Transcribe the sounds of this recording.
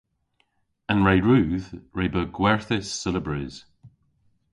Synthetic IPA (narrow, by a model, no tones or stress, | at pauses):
ə̃nɹeɪɹʉːðɹeːbəɡwɛɹθɪsɪləbɹiz̥